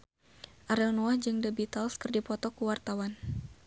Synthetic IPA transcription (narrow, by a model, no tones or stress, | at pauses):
ʔaɾɛlnoahd͡ʒɨŋdəbit̪alskərdipɔt̪ɔkuwart̪awan